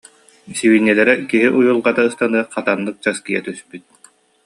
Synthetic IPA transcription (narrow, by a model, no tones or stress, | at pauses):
siβinːɛlɛɾɛkiɦiʔujulˠɡat̪aɯst̪anɯɐqat̪anːɯk̚t͡ɕaskijɛt̪yspyt̪̚